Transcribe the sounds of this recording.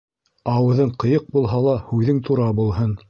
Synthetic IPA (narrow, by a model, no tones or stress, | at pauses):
ɑwɤ̆ðɤɴqɤ̆jɤq̚bulˠɦɑlˠɑhʉðɘŋt̪ʰuɾɑbulˠɦɤn